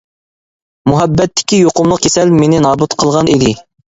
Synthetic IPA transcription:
muɦɛbːɛt̪ʰːɪ̥kʲijoqʊmlˠəq̚kʰʲesɛlmenɪnɑːbut̪qʰəlˠʁɑnid̪ɪ

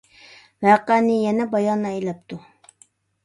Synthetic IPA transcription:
væːqænɪjɛnɛbɑjɑnːɑæjlæp̚t̪ʊ

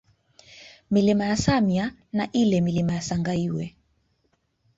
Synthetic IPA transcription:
milimajasamjanaʔilɛmilimajasaŋɡaiwɛ

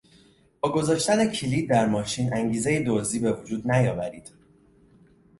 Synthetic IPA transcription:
b̥ɒːɡo̞zɒːʃt̪æne̞cʰiliːd̪̚ːæɾmɒːʃiːnæŋɟiːze̞jed̪oziːbe̞vod͡ʒuːd̪næjɒːvæɾiːd̪̥

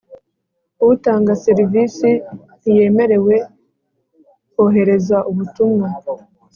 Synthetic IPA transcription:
uβutaːŋɡaseɾiviːsi | ije̞ːme̞ɾe̞we̞ | hoɦe̞ɾe̞zwaʔuβutumŋa

